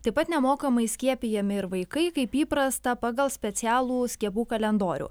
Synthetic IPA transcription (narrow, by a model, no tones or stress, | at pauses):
t̪ɐɪpːɐt̪nʲɛmoːkɐmɐɪsʲkʲiɛpʲijɛmʲɪɪɾʋɐɪkɐɪkɐɪpiːpɾɐst̪ɐpɑːɡɐlˠsʲpʲɛt̪sʲæːlˠuːsʲkʲiɛpuːkɐlʲɛnd̪oːɾʲṵː